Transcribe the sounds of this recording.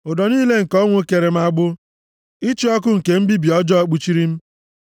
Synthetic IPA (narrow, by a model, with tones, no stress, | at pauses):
ʊ˨dɔ˨niː˦le˦ŋ̩˨kɔ˦ŋʷo˦ke˨ɾe˨m̩˦a˦ɡ͡bʊ˦ | i˦t͡ʃi˦ɔ˦k̬ʊ˦ŋ̩˨ke˨m̩˦bi˦bi˨ɔ˦d͡ʒɔ˦ɔ˦k͡pu˨t͡ʃi˦ɾi˦m̩˦